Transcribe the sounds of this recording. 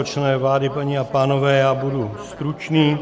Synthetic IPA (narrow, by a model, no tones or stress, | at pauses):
ot͡ʃnɛːvlaːdɪpaɲiapaːnovɛːjaːbudust̪ɾut͡ʃniː